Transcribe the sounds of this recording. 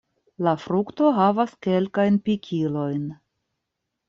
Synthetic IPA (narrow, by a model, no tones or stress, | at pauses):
lafɾukto̞ɦavaske̞lkajnpikʲʰilo̞jn